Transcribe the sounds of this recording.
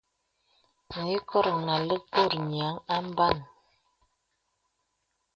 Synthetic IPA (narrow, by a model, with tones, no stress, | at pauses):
ŋ̩˨i˦kɔ˦ɾna˨lə˦po˦˨ɾɲ˨a˨˦ŋa˦m˦ba˦˨n